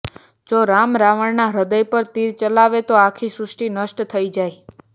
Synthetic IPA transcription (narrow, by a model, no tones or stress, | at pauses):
d͡ʒoɾamɾaʋəɽnaɾəd̪əjpəɾt̪iɾt͡ʃəlaʋet̪oakʰisɾʊsʈinəʃʈt̪ʰəid͡ʒaj